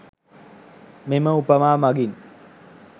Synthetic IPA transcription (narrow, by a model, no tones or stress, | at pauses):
meməupəmaːmaɡin